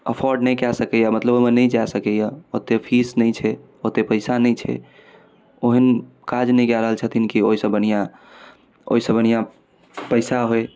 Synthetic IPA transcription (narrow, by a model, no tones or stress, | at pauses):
əpʰɔɾɖnɛjkɛsəkɛjamət̪ləboɦmenɛjd͡ʒasəkɛjaot̪epʰisnɛt͡ʃʰɛ | ot̪epəɪsanɛjt͡ʃʰɛ̰ | oɦən | kad͡ʒnɛjkɛɾəɦəlt͡ʃʰət̪ʰinkioisə̃bənijã | o̰isə̃bʱənija | pəɪsaɦoj